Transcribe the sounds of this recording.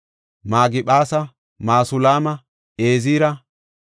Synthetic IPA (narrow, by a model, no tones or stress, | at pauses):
maːɡɪɓaːsɐ | maːsʊlaːmɐ | eːziːɾɐ